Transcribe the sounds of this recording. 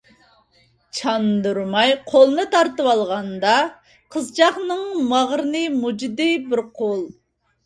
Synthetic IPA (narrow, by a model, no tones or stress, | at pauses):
t͡ʃʰɑnd̪uɾmɑjqʰolˠɨnɨt̪ʰɑɾt̪ɨwɑlˠʁɑnd̪ɑ | qʰəzt͡ʃʰɑχnɨŋmɑʁɾɨnɨmud͡ʒid̪ɨbɪɾqʰolˠ